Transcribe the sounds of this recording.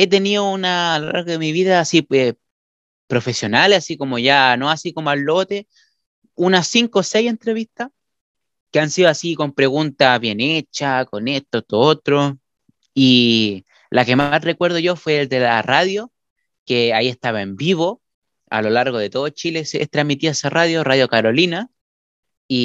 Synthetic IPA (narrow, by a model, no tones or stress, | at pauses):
e̞t̪eniounaːlola̰ɾɣoðemiβiðaːsie | pɾo̞fe̞sjo̞nalesasiko̞moʝano̞asiko̞moalːo̞t̪e̞ | unasiŋkoseje̞nt̪ɾe̞βist̪a | keansiðoasiko̞mpɾe̞ɣunt̪aβjenet͡ʃako̞net̪ot̪oot̪ɾo | i | lake̞masre̞kwe̞ɾð̞oʝo̞fwe̞ːld̪e̞laraðjo | keaie̞ht̪aβae̞mbiβo | a̰lo̞laɾɣo̞ðe̞t̪o̞ðot͡ʃilesḛst̪ɾamit̪iaesaraðjo̞raðjo̞kaɾo̞lina | i